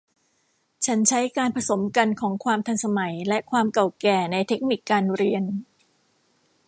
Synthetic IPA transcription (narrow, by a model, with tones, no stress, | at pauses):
t͡ɕʰa˦˥nt͡ɕʰa˦˥jkaː˧npʰɾa˧so˩˦mka˧nkʰɔː˩˦ŋkʰwaː˧mt̪ʰa˧nsa˧ma˩˦jlɛ˦˥ʔkʰwaː˧mka˨˩wkɛː˨˩na˧jt̪ʰe˦˥k̚ni˨˩kːaː˧nɾi˧ən